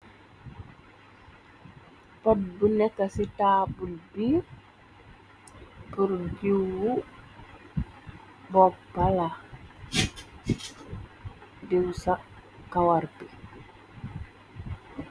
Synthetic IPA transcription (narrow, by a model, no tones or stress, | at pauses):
pɔt̚bunɛkːasitaːbulbiːɾ | puɾd͡ʒiwwu | bɔk̚bala | diwsa | kawarpi